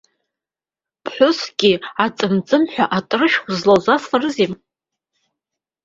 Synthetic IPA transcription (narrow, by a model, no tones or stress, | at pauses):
pʰħʷʊsɡʲiat͡sʼɨmt͡sʼɨmħᶣʷaʔatʼɨrɨʃᶣzlazasarɨzem